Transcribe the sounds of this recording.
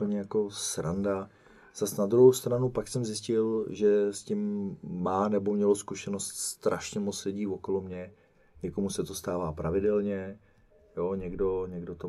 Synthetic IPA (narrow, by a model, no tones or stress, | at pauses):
pl̩ɲɛjako̞sɾa̰nda | z̥asnad̪ɾuɦowst̪ɾanupaksɛmzɪscɪlʒɛscɪmːaːnɛbo̞mɲɛloskuʃɛno̞st̪st̪ɾaʃɲɛmot͡slɪɟiːvo̞ko̞lomɲɛ | ɲɛkomusɛt̪o̞st̪aːvaːpɾavɪdɛlɲɛ | joɲɛɡdo̞ɲɛɡdo̞t̪o